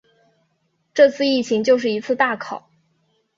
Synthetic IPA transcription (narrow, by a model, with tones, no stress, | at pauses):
ʈ͡ʂɤ˥˧t͡sʰɹ̩˥˧i˥˩t͡ɕʰi˧˥ŋt͡ɕjo˥˧ʊʂɻ̩˥˩i˧˥t͡sʰɹ̩˥˧t̪a˥˩kʰɑ˨˩˦ʊ